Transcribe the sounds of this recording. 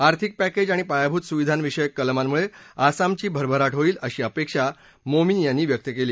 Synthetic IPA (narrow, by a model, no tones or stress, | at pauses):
aɾt̪ʰik̚pæked͡ʑaɽ̃ipajabʱut̪suʋid̪ʱanʋiɕəjəkːəlmammuɭeasamt͡ɕiːbʱəɾbʱəɾaʈɦoiːləɕiːəpekʂa | mominjanːiːʋjək̚t̪jəkeliː